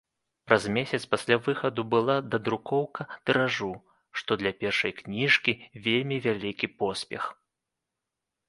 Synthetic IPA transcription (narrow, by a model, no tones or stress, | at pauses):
pɾɐzmʲesʲɐt̪spasʲlʲavɨxɐd̪ubɨlˠad̪ɐd̪ɾukɔwkɐt̪ɨɾaʐu | ʂt̪ɔd̪lʲɐpʲɛrʂɐjknʲiʂkʲivʲelʲmʲivʲalʲikʲipɔsʲpʲɛ̰x